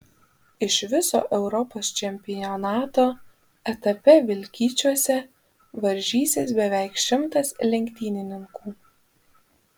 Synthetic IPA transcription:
ɪʃʋʲɪso̰ːʔɛʊɾɔpoːst͡ʃʲɛmʲpʲɪjɔnɑːt̪oː | ɛt̪ɐpʲɛʋʲɪlʲkʲiːt͡ʃʲuɔsʲɛ | ʋɐɾʲʒʲiːsʲɪsbʲɛʋʲɛˑɪkʃʲɪmt̪ɐslʲɛŋʲkʲt̪ʲiːnʲɪnʲɪŋkuː

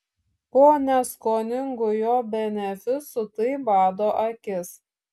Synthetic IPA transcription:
poːnʲɛskoːnʲɪŋɡʊjoːbʲɛnʲɛfʲʊsʊt̪ɐɪbɑːd̪oːʔɐkʲɪs

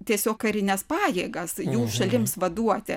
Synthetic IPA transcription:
t̪ʲiɛsʲoːkkɐɾʲɪnʲɛspɑːjeːɡɐsjuːʃɐlʲɪmsʋɐd̪uɔt̪ʲɪ

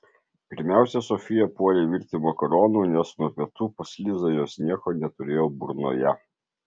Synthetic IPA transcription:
pʲɪɾʲmʲæˑʊsʲɛsɔfʲɪjɛpuɔɾʲeːʋʲiɾʲt̪ʲimoːkɐɾɔːnuːnʲɛsnuɔpʲiɛt̪uːpɐsʲlʲiːzɐjoːsnʲiɛkoːnʲɛt̪ʊɾʲeːjoːbʊɾno̰ːjɛ

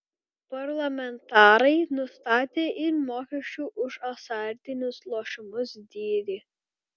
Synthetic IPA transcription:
pɐɾlˠɐmʲɛnt̪ɑːɾɐɪnʊst̪ɑːt̪ʲeːʔɪɾmoːkʲɛʃʲt͡ʃʲuːʔʊʃɐsɑːɾʲt̪ʲɪnʲʊslˠoːʃɪmʊsd̪ʲiːɾʲiː

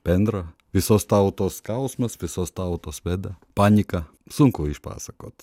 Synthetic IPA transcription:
pɛnd̪ɾɐʋʲɪsost̪aʊt̪oːskawsmɐsʋʲɪsoːst̪aʊt̪oːsʋɛd̪ɐ | panʲikɐ | suŋkoiʃpa̰ːsɐkoːt̪

